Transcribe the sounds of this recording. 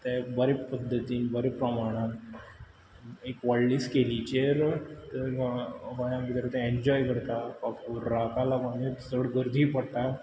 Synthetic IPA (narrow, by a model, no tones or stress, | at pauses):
t̪ɛ̃bəɾepəd̪ʱːət̪iːnbəɾepɾəmaɽ̃ãn | ekʋalliskelit͡ɕeɾt̪əɾʋajãbit̪ɾat̪ɛ̃eɲd͡ʑɔjkəɾt̪akakuɾːakalakanesəɽɡəɾd̪ʱiːpəɽt̪a